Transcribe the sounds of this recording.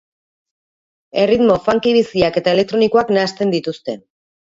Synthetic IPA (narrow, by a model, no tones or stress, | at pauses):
e̞rit̪mo̞faŋkiβisiake̞t̪ae̞le̞k̚t̪ɾo̞niko̞aknaːst̪e̞nd̪it̪ust̪e̞n